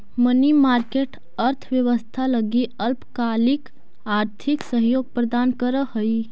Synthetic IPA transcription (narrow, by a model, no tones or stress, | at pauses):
mənimaːɾkeːʈ | əɾt̪ʰʋjəʋəst̪ʰaləɡiəlpkaːlik | aːɾt̪ʰiksəɦjoːɡ̚pɾəd̪aːnkəɾəhəi